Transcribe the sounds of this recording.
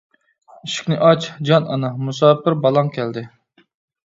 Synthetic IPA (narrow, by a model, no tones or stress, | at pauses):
iʃi̥kʲnɪʔɑt͡ʃd͡ʒɑnɑ̰nɑmusɑːpɪɾbɑlˠɑŋkʲʰɛld̪ɪ